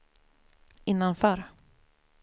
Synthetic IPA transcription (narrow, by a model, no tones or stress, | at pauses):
ɪnːanfœɾ